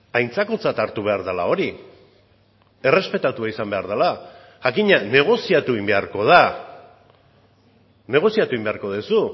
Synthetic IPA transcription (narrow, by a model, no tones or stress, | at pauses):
ajnt͡sako̞t͡sat̪aɾt̪uβ̞e̞aɾðalao̞ɾi | e̞re̞spe̞t̪at̪uaisambe̞aɾðala | ʝakiɲane̞ɣ̞o̞siat̪uimbe̞aɾko̞ð̞a | ne̞ɣ̞o̞siat̪uimbe̞aɾko̞ð̞esu